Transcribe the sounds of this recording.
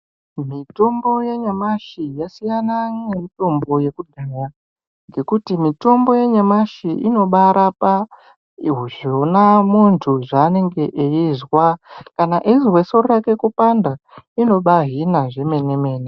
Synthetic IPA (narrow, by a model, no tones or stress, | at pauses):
mito̞mbo̞je̞ɲamaʃijasijanaŋemito̞mbo̞je̞kudʱaja | ŋɡe̞kutimito̞mbo̞je̞ɲamaʃiʔino̞ɓaɾʔapa | iɦuʒonamuntʰuʐaːne̞ŋɡe̞ʔeizwakanaʔiziwesorrakekupanda | ino̞ɓaɦinaʐeme̞neme̞ːne